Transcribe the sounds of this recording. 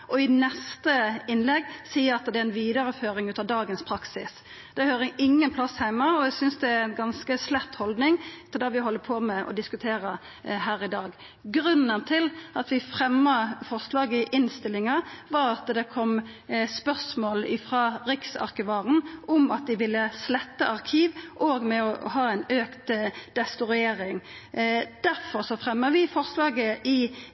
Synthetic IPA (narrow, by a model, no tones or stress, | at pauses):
ʔɔɪnɛst̪əɪnlɛɡsiːəɑt̪d̪ɛæɪnʋiːd̪ɑɾəføːɾɪŋʉːt̪ɑʋd̪ɑːɡənspʰɾɑksɪs | d̪̥ɛhøːʁəʔɪŋːənpʰlɑshæɪmːɑɔæsʏnsd̪ɛæɛnɡɑnskəslæt̪ːhɔld̪nɪŋt̪ːəd̪ɑːʋɪhɔlːəpʰoːmɛʔɔ̰d̪ɪskʉt̪ʰeːɾə | ɦæːʁɪd̪ɑːɡ | ɡɾʉnːənt̪ʰɪlɑt̪ʋɪfʁɛmːɑfɔʁslɑːɡəɪʔɪnst̪ɪlːɪŋɑʋɑɾɑt̪d̪ɛkʰɔmspœʁsmoːlɪfʁɑːɾɪksɑ̰ʁkəʋɑːʁənʔʊmɑt̪̚d̪ɪʋɪlːəslɛt̪ːəʔɑʁkʰiːʋʔoːɡmɛɔhɑːæɪnøːkt̪d̪̥ɛst̪ʊɾɪeːɾɪŋ | d̪̥æɾfɔʁsɔfʁɛmːəʋɪfɔʁslɑːɡəʔɪ